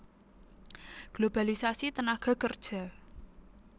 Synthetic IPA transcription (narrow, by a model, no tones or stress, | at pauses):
ɡ̥lob̥a̤lisasit̪ənaɡ̥ɔ̤kərd̥ʒ̥a̤